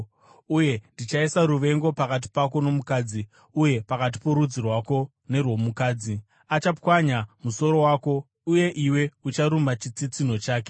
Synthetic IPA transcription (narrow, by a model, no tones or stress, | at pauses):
uje̞ndit͡ʃaisaɾuʋe̞ŋɡo̞pakat̬i̥pako̞no̞mukaːd͡zi | uje̞pakat̬i̥po̞ɾud͡zirwako̞ | ne̞rwo̞mukaːd͡zi | at͡ʃapwaɲamuso̞ɾo̞waːko̞ | uje̞ʔiwe̞ut͡ʃaɾumat͡ʃit͡sit͡sin̤o̞t͡ʃaːk̬e